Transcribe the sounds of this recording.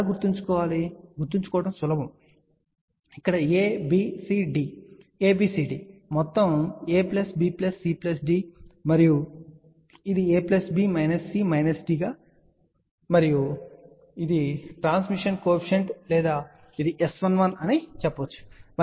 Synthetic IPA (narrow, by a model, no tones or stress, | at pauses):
ɡuɾt̪iɲt͡ʃu̥kɔːʋaːliɡuɾt̪iɲt͡ʃu̥kɔːʋɐʈɐmsʊlɐbɐm | ikːɐɽɐeːbiːsiːɖi | eːbiːsiːɖiːmɔt̪ːɐmeːplɐsbiːplɐsːiːplɐsɖiːmɐɾiju | id̪ieːplɐsbiːmɐjnɐsːiːmɐjnɐsɖiːɡaː | mɐɾiju | id̪iʈɾaːnsmiʂɐnkoːpʰi̥ʃɐɳʈlɛːd̪aː | id̪iʔesʋɐnʋɐnɐnit͡ʃɛpːɐʋɐt͡ʃːu̥mɐ